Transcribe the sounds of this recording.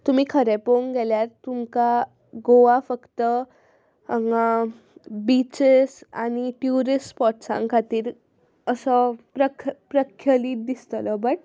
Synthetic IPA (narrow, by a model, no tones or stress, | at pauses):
t̪um̤iːkʰəɾepoŋɡɛljaɾt̪umka | ɡoʋafəkt̪ə | ŋ | bit͡ɕesa̰ñiʈjuɾispɔʈsã̰ŋkʰat̪iːɾ | əsəpɾəkpɾəkʰːjəliːt̪̚d̪ist̪əlɔbəʈ̚